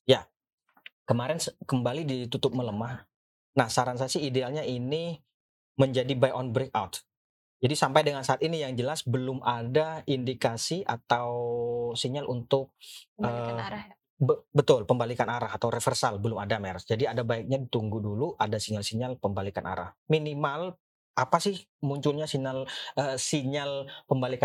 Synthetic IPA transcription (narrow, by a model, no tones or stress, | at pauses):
ja | kəmaɾɛnskəmbalidit̪ut̪ʊp̚mələmah | nahsaɾansasiːdealɲaini | məɲd͡ʒadibajʔɔnbɾek̚a̰wt̪̚ | d͡ʒadisampajdəŋansaʔːt̪inijaŋd͡ʒəlasbəlʊmadaʔindikasiʔat̪awsiɲalʔunt̪ʊk̚əː | bət̪ʊlpəmbalikanaɾaɦat̪awɾefərsalbəlʊmadamɛɾsd͡ʒadiadabaɪk̚ɲadit̪uŋɡuduluʔadasiɲalsiɲalpəmbalikanʔa̰ɾa̰hminimal | ʔapasɪh | muɲt͡ʃʊlɲasiɲaləsiɲalpəmbalika